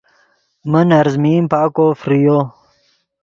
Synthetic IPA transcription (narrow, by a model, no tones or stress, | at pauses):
mənɐɾzmiːmpaːkofɾijo